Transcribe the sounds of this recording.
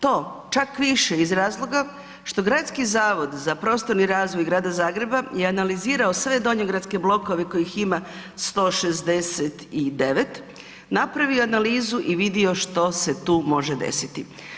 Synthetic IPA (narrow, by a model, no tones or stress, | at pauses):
t̪o̞ːt͡ʃakʋiʃeizɾaːzlˠo̞ɡa | ʃt̪o̞ɡɾat̪skizaːʋo̞d̪zapɾo̞ːst̪o̞ɾniɾaːzʋo̞jɡɾaːd̪azaːɡɾe̞bajeanaliziːɾao̞sʋe̞d̪o̞ɲoɡɾat̪ske̞blˠo̞ko̞ʋeko̞jixima | st̪o̞ːʃe̞zd̪e̞set̪id̪e̞ʋe̞t̪ | napɾaʋioanaliːzuʔiʋid̪io̞ʃt̪o̞se̞t̪uːmo̞ʒed̪ḛsit̪i